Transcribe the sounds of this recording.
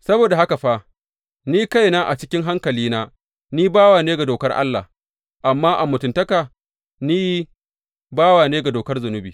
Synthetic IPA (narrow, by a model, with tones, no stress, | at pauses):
sɐ˦boː˨da˨ha˦ka˨ɸa˦ | niː˦ka˦jnaː˦ʔa˨t͡ʃɪ˦kʲɪ˦ŋɦa˦ŋkɐ˨liː˦naː˦ | niː˦baː˦waː˨neː˦ɡa˨doː˨kɐ˦rʔa̰˦lːa̰˨h | ʔa˨mːaː˦ʔa˨mːʊ˨tʊ˨ntɐ˦kaː˨ | niː˦ji˦ | baː˦waː˨neː˦ɡa˨doː˨kɐ˦rzʊ˨nʊ˦bḭː˨